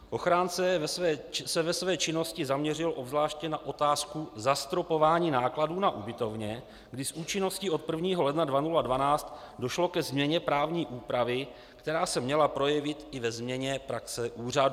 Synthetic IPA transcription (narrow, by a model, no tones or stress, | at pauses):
ʔo̞xɾaːnt͡sɛɛːsɛvɛsvɛːt͡ʃɪno̞scɪzamɲɛrɪlʔo̞bzlaːʃcɛnaʔo̞t̪aːskuzast̪ɾo̞po̞vaːɲiːnaːkladuːnaʔubɪt̪o̞vɲɛ | ɡdɪsʔuːt͡ʃɪno̞sciːʔo̞t̪̚pr̩vɲiːɦo̞lɛdnadvanuladvanaːt͡st̪ | do̞ʃlo̞kɛzmɲɛɲɛpɾaːvɲiːʔuːpɾavɪ | kt̪ɛɾaːsɛmɲɛlapɾo̞jɛvɪt̪ɪvɛzmɲɛɲɛpɾaksɛʔuːradu